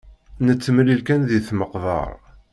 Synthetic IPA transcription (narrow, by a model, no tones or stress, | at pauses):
nət͡sːəmlilkænðiθməqvə̰ɾˤ